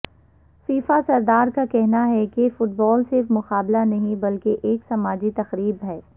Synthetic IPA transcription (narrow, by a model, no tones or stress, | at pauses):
fiːfasɐɾd̪aːɾkakɛɦnaɦɛkefʊʈ̚bɔːlsɪɾfmʊqaːblanɐɦĩbɐlkeʔeːksɐmaːd͡ʒit̪ɐxɾiːbɦɛː